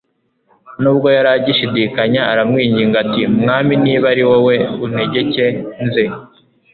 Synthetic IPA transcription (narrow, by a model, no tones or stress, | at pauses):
nuːb̚ɡo̞jaɾaɟiʃidiːkaɲaːɾamŋiːɲɟiːŋɡatimŋaːminiːβaɾiwowe̞un̥e̞ɟe̞ce̞nze